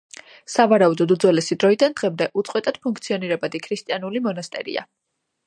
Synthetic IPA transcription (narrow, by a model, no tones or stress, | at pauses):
savaɾaud̪ɔd̪ud̪zwɛlɛsid̪ɾɔid̪and̪̥ʁɛmd̪ɛʔut̪sʼqʼwɛt̪ʼad̪̥pʰuŋk̚ʰt̪sʰiɔniɾɛbad̪ikʰɾist̪ʼianulimɔnast̪ʼɛ̰ɾḭa̰